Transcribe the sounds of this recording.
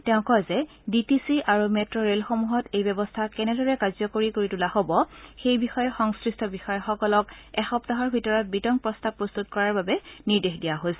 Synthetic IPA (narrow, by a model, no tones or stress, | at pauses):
tɛʊ̃kɔjzɛ | ditisiʔaɹumɛtɹɔɹelxomuɦɔtejbɛbɔstʰakɛnɛdɔɹɛkazɔkoɹikoɹitulahobɔxejbixɔjɛxɔŋskɹistʰɔbixɔjɛxɔkɔlɔkɛxɔptaɦɔɹbʱitɔɹɔt̚bitɔŋk̚pɹɔstapːɹɔst̪utkɔɹaɹbabɛniɹdexdijaɦosɛ